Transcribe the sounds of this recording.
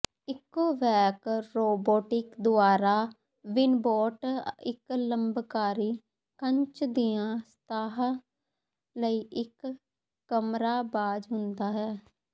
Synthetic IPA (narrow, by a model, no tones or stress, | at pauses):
ɪkːoːʋɛːkɾoːboːʈɪkd̪ʊaːɾaː | ʋɪnboːʈɪkləmbkaːɾiː | kəɲt͡ʃd̪iːjãːst̪aːɦ | ləiːʔɪkː | əmɾaːbaːd͡ʒɦʊnd̪aːɦɛː